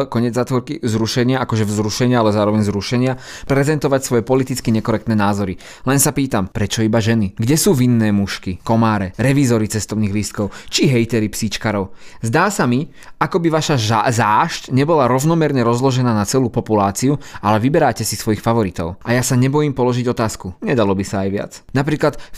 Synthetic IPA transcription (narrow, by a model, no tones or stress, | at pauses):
kɔɲɪɛd͡zːaːt̪ʋɔɾkizɾuʃɛɲɪaakɔʒɛvzɾuʃɛɲɪaalɛzaːɾɔʋɛɲzɾuʃɛɲɪa | pɾɛzɛnt̪ɔʋacsʋɔjɛpɔlit̪it͡skiɲɛkɔɾɛkt̪nɛːnaːzɔɾi | lɛnsapiːt̪ampɾɛt͡ʃɔibaʒɛniɡɟɛsuːʋinːɛːmuʃkikɔmaːɾɛɾɛʋizɔɾit͡sɛst̪ɔʊniːɣlist̪̚kɔʊt͡ʃiɦɛjt̪ɛɾipsit͡ʃkaɾɔʊzd̪aːsami | akɔbiʋaʃazaːʃcɲɛbɔlaɾɔʊnɔmɛɾɲɛɾɔzlɔʒɛnaːnat͡sɛluːpɔpulaːt͡siualɛʋibɛɾaːcɛsisʋɔjixfaʋɔɾit̪ɔ̰ʊʔajasaɲɛbɔjimpɔlɔʒiɟɔt̪aːskuɲɛd̪alɔbisaːjʋɪa̰t͡snapɾiːklat̪